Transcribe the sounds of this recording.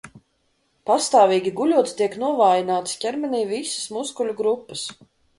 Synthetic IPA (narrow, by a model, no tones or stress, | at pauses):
past̪aːviːɡʲiɡulʲuɔt̪st̪iɛknuɔvaːjinaːt̪scʲɛɾmɛniːvisə̥smuskulʲuɡɾupːəs